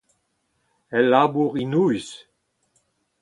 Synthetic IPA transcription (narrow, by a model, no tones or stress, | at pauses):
ɛlːabuʁinujs